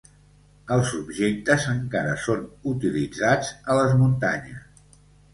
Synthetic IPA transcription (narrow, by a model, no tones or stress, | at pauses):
əlˠzubʒek̚t̪əzəŋkaɾəsonut̪ilid͡zad͡zələzmunt̪a̰ɲəs